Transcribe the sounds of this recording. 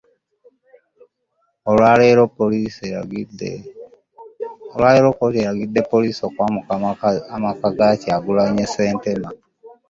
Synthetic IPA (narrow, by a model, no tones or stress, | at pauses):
oaleɾopːolisd | olwaleɾo̞pːoeɾaɡid̪ːe̞pːoliːsokwa | amakaɡaciaɡulaɲese̞ːntema